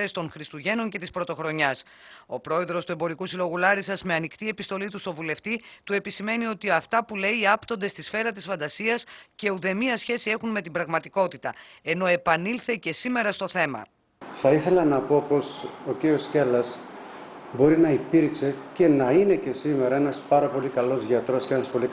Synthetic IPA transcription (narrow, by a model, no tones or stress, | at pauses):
est̪o̞ŋxɾist̪uʝe̞no̞ɲce̞t̪ispɾo̞t̪o̞xɾo̞ɲɐs | o̞pɾo̞e̞ðɾo̞st̪ue̞mbo̞ɾikusilo̞ɣulɐɾisɐzme̞ɐnikt̪ie̞pist̪o̞lit̪ust̪o̞vule̞ft̪it̪ue̞pisime̞nio̞t̪iɐft̪ɐpule̞iɐpt̪o̞nd̪est̪isfe̞ɾɐt̪̬isfɐnd̪ɐsiɐsce̞uðe̞miɐsçe̞sie̞xunme̞t̪ibɾɐɣmɐt̪iko̞t̪it̪ɐ̰e̞no̞e̞pɐnilθe̞ce̞sime̞ɾɐst̪o̞θe̞mɐ̰ | θɐiθe̞lɐnɐpo̞po̞so̞ciɾiosce̞lɐs | bo̞ɾinɐipiɾkse̞ce̞nɐine̞ce̞sime̞ɾɐe̞nɐspɐɾɐpo̞likɐlo̞zʝɐt̪ɾo̞scenɐspo̞li